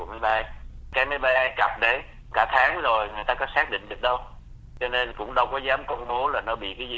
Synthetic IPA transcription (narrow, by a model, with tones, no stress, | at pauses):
ma˨˦jɓaː˧jkaː˨˦jma˨˦jɓaː˧jʔaː˧jkə˨˩p̚ɗe˨˦ | kaː˧˩t̪ʰaː˨˦ŋzo˨˩jŋɨ˨˩əjt̪aː˧kɔ˨˦saː˦˥k̚ɗḭ̈˧˨ŋ̟ɗɨ˨˩ək̚ɗə˧w | t͡ɕɔ˧ne˧nkʊ̰˧˥ŋ͡mɗə˧wkɔ˨˦zaː˨˦mkɔ˧wŋ͡mɓo˨˦laː˨˩nɔ˨˦ɓḭ˧˨kaː˨˦zi˧˦